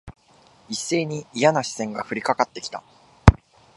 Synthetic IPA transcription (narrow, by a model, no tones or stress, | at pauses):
isːe̞ːɲ̟iːjanaɕi̥sẽ̞ŋɡaɸɯ̟ɾʲikakat̪ːe̞kʲi̥t̪a̰